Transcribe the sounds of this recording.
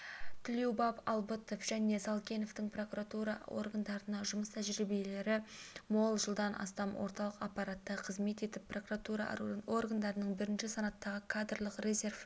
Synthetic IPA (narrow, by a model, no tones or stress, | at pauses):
t̪ʰɪlewbɑpɑlˠbət̪ofʒ̥æne̞sɑlˠkʲe̞no̞ft̪ɪɴpro̞kuɾat̪uɾɑ̰o̞̰rɡand̪ɑɾənɑʒʊməst̪ʰæʒɾɪibije̞le̞ɾɪmo̞lˠʒəlˠd̪ɑnʔɑ̰st̪ɑmwʔo̞̰ɾt̪ɑlˠəqɑpːɑɾat̪ːɑqʰəzme̞t̪e̞t̪ɪpʰːro̞kuɾat̪uɾɑ̰o̞rɡand̪ɑɾənəɴbɪɾɪnʃɪsɑnɑt̪ːɑʁəkʰad̪rlˠəqre̞zʲe̞rf